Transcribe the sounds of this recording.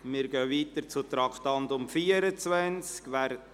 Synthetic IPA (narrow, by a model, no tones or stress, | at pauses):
mɪɾɡœːviːt̪əɾt͡sut̪ɾɑkt̪ɑnd̪ʊmfiːəɾət͡sʋænt͡skʋæɾ